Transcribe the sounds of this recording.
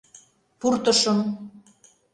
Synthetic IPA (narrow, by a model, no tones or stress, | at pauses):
purt̪ə̆ʃɤ̆m